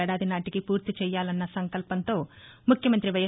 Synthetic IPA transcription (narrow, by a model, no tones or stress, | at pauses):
ɛːɽaːd̪inaːʈikipuːɾt̪it͡ʃɛːjːaːlɐnːɐsɐŋkɐlpɐnt̪o̞ːmukʰjɐmɐnt̪ɾiʋɐjɐ